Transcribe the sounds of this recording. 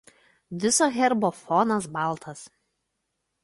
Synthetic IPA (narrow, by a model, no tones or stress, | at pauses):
ʋ̪ʲɪsoːɣʲɛɾboːfɔnɐsbɑˑlˠt̪ʰɐs